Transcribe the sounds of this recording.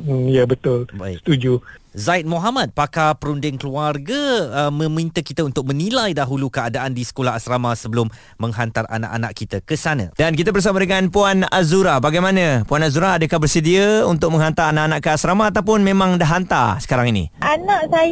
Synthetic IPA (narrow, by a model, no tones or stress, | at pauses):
jabət̪ʊlba̰ist̪ud͡ʒuzaɪt̪̚moɦamat̪̚pakapəɾundɪŋkluarɡəːmə̃mĩnt̪əkit̪əunt̪ʊk̚mə̃nilajdaɦulukəadaʔandisə̥kolaɦasɾamasəbəlʊmː | ə̃ŋɦant̪ara̰na̰ʔa̰na̰ʔkit̪əkəsanã̰dankit̪əbərs̬amadəŋanpuanazuɾabaɡajmanə̃puanazuɾaadəkahbərsədiəunt̪ʊk̚mə̃ŋɦant̪aɾanaʔanaʔkəasɾamaːt̪̬awp̬ʊnmẽmãŋdaɦant̪a̰rsə̥kaɾaŋinḭʔanaʔsa